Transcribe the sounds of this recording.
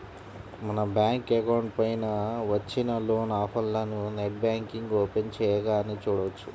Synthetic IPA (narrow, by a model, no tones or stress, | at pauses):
mɐnɐbjaːŋkekɐwɳɖ̚pɐjnɐʋɐt͡ʃːinɐloːnaːpʰɐlːɐnuneʈ̚baːŋkiŋɡoːpent͡ʃɛjɐɡaːnit͡ʃuːɽɐʋɐt͡ʃːu̥